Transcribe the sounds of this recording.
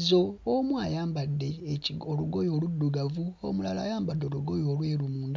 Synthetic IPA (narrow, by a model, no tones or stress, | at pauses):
zo̞omwaːjaːmbadːe̞ːcioluɡojo̞ːludːuɡavuo̰mulala̰ːjaːmbadːeɾuɡo̞joːlweːɾumuːnd